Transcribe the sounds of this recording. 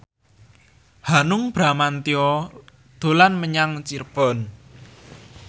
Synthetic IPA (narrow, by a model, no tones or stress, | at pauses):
hanʊŋb̥ɾa̤mant̪iɔ | d̪̥o̤lanməɲaŋt͡ʃirb̥ɔ̤n